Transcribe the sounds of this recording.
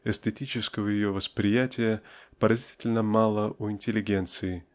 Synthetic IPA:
ɛsʲt̪ʲɪtʲit͡ɕɪskəvəjɪjovəspɾʲɪjætʲɪjəpəɾɐzʲi̥tʲɪlʲnəmɑlˠəʔuɪnʲtʲɪlʲɪɡʲe̞nt̪sɨɪ

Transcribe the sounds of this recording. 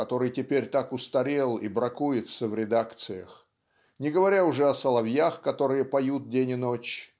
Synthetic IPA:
ɐt̪o̞ɾɨjtʲɪpʲeɾʲt̪akʊst̪ɐɾʲelˠḭbɾɐkujɪt̪səvɾʲɪd̪akt̪sɨjəx | nʲɪɡəvɐɾʲaʊʐɛɐsəlˠɐvjaxkɐt̪o̞ɾɨjəpɐjut̪̚dʲenʲɪnot͡ɕ

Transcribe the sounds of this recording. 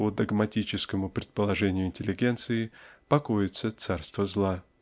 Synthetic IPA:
od̪əɡmɐtʲit͡ɕɪskəmʊpɾʲɪt̪pəlˠɐʐɛnʲɪjʊɪnʲtʲɪlʲːɪɡʲe̞nt̪sɨɪpɐkojɪt̪sət̪sarst̪vəzlˠa

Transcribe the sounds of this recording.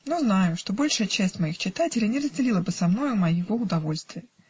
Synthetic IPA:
nuznajʊʂt̪o̞bo̞lʲʂɨjət͡ɕæsʲtʲmɐixt͡ɕɪt̪atʲɪlʲɪjnʲɪrəzʲdʲɪlʲilˠəbɨsɐmno̞jʊmɐjɪvo̞ʊd̪ɐvo̞lʲst̪vʲɪjə

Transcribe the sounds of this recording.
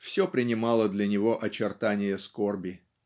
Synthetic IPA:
fsʲopɾʲɪnʲɪmɑlˠəd̪lʲɐnʲɪvo̞ʔɐt͡ɕɪrt̪anʲɪjəskorbʲɪ

